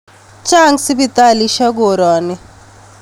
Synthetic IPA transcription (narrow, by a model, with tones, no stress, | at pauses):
t͡ʃʼa˦ŋsi˦bit̪a˦li˦ʃa˦ɡoɾɔː˨ni˦